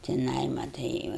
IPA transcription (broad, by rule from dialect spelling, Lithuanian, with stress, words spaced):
tʲɪˈnɐɪ mɐˈtɐɪ jɛʊ